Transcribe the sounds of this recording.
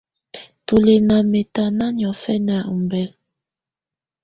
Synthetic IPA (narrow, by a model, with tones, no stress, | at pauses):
tu˨le˨na˨me˨ta˨na˦ɲɔ˨fɛ˦n˦a˨u˨m˨bɛ˦l